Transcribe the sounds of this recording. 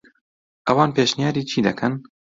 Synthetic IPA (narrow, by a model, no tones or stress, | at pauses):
ʔɐwɑːnpeːʃnijɑːɾiːt͡ʃʰiːd̪ɐkʰɐn